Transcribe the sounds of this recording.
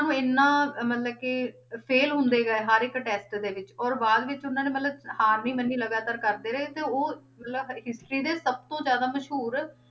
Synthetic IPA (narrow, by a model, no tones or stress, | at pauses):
aːnũːɪnːãːmət̪ləb̚kɪ | pʰeːlɦʊ̃nd̪eːɡaeɦaːɾɪkʈɛːsʈd̪eːʋɪt͡ʃɔːɾbaːd̪ʋɪt͡ʃʊnːãːneːmət̪ləbhaːɾniːmənːiːləɡaːt̪aːɾkəɾd̪eːɾɛːet̪eːoːmət̪ləbɦɪsʈɾiːd̪eːsəb̚t̪õːzjaːd̪aːməʃɦuːɾ